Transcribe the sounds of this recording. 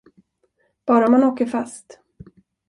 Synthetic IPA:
b̥ɑːɾamanoːkəɾfast̪

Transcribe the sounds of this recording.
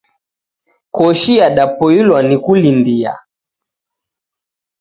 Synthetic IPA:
kɔʃiaɗapɔilwanikulindia̰

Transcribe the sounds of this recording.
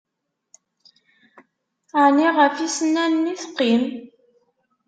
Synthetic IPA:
niʁəfisnænːiθə̥qːim

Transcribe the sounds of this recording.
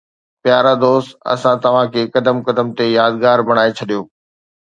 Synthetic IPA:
pjaːɾad̪oːst̪ɐ̰sãt̪ɐʋ̤ãkʰeːkɐd̪əmkɐd̪əmt̪ejaːd̪ɡaːɾbɐɽ̃aːet͡ɕʰɐɗijoː

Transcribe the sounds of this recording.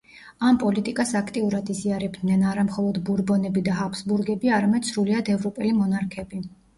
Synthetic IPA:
ampʼɔlit̪ʼikʼasakʰt̪ʼiuɾad̪iziaɾɛbd̪nɛnaɾamχɔlˠɔd̪buɾbɔnɛbid̪aɦapʰsbuɾɡɛbiaɾamɛd̪̥sɾuliad̪ɛvɾɔpʼɛlimɔnaɾkʰɛbi

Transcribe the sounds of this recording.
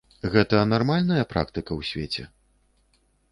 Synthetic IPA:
ɣɛt̪ɐnarmalʲnɐjɐpɾa̰kt̪ɨkɐwsʲvʲet͡sʲɛ̰

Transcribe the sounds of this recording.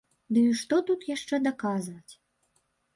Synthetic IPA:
d̪ɨiʂt̪ɔt̪ut̪jaʂt͡ʂɛd̪akazvɐt͡sʲ

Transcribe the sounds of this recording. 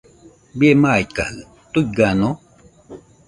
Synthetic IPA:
biemaika̰hɯ | t̪uɡano

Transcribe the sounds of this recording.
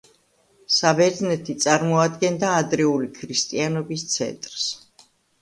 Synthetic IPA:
sabɛɾd̪nɛt̪ʰit̪sʼaɾmɔad̪ɡɛnd̪aːd̪ɾɛulikʰɾist̪ʼianɔbist̪sʰɛ̰nt̪ʼɾs

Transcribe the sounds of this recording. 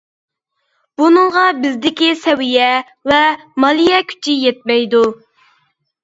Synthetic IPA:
b̥unɨŋʁɑbɪzd̪ɪkʲisɛwijɛ | vɛmɑlˠijɛkʲʰy̥t͡ʃʰijɛt̪̚mɛjd̪u

